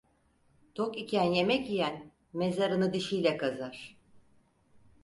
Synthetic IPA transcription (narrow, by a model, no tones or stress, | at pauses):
t̪ʰokicʰænje̞mɛcijæn | me̞zaɾɯnɯd̪iʃijlʲɛkʰazaɾ̥